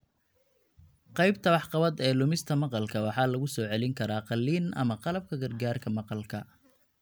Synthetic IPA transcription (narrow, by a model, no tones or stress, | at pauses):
qɑjb̚t̪ʰɐwɑħqɑβɐd̪ɛːlʊmɪst̪ʰɐmɑqɑlkʰɐwɑħɑːlɐɣʊsɔːʕɛlɪŋkʰɐɾaːqɑlːiːnʔɐ̰mɐqɑlɐb̚kʰɐɡɐrɡaːrkʰɐmɑqɑlkʰɐ